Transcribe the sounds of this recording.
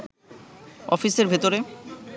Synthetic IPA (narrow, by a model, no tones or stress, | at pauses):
ɔfiseɾbʱet̪oɾe